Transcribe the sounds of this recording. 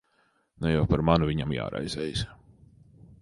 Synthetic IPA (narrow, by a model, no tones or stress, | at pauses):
nujawpaɾmanuvʲiɲamja̰ːɾa̰jzɛjs